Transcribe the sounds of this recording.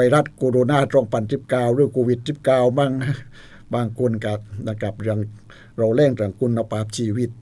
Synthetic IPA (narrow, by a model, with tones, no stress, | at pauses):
a˧jɾa˦˥t̪̚koː˧ɾoː˧naː˥˩t̪ɔ˥˩˨ŋpa˧nsi˨˩p̚kaː˧˩wɾɯ˥˩əŋkʰoː˧wi˨˧˩t̪̚si˨˩p̚kaː˧˩wma˥˩ŋ˥ | baː˧ŋkʰo˧nka˧˩na˧˩ka˨˩p̚ɾŋ | ɾa˧wlɛː˥˩ŋt̪a˨˩ŋkʰu˧nːa˧pʰaː˧˥p̚t͡ɕʰiː˧wi˦˧˩t̪̚